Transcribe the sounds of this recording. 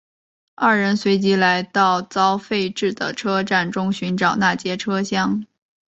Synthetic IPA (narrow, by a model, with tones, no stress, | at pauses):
a˥˩ɻə˧˥nswe˧˥ɪt͡ɕi˧˥la˧˥ɪt̪ɑ˥˩ʊt͡sɑ˥ʊfe˥˧ɪʈ͡ʂɻ̩˥˩d̪ə̰˩ʈ͡ʂʰɤ˥ʈ͡ʂa˥˩nʈ͡ʂʊ˥ŋɕy˧˥nʈ͡ʂɑ˨˩ʊna˥˩t͡ɕjɛ˥ʈ͡ʂʰɤ˥ɕjɑ˥ŋ